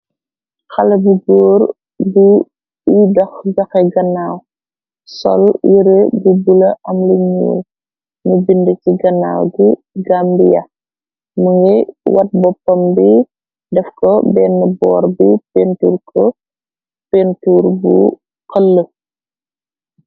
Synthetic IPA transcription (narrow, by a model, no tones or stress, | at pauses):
xɐlɐbuɡɔːr | bu | idɐxɟɐxɛɡɐnːaːw | sɔ̰ljiɾebubulɐʔɐmlɐɲṵːl | nubindəciɡɐnːa̰ːwd͡ʒu | ɡaːmbijɐ̰ | muŋɡɛwʔɐt̚bɔpːɐmbi | dɛfkɔbɛːnːɐbɔːɾbipentuːrkʰɔ | pentuːɾbṵ | kəlːə